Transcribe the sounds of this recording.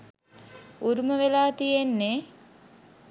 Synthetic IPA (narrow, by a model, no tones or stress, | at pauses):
uɾuməʋelaːt̪ijenːe